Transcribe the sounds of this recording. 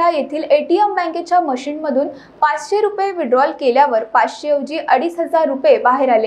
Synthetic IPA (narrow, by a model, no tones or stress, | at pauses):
ajet̪ʰiːleʈiembɛ̃ŋket͡ɕjaməɕiːnməd̪ʱuːn | pat͡sɕeɾupeʋiɖɾɔlkeljaʋəɾpat͡sɕeəʋd͡ʑiːʔəɽiːsɦəd͡zaɾːupebaɦeɾale